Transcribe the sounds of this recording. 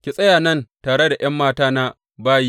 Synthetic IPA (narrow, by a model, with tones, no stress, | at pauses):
kʲi˨sʼɐ˦jaː˨nɐ˦˨ntaː˨ɽe˦da˨j̰ɐ˦mːaː˦taː˦na˦ | baː˦ji˦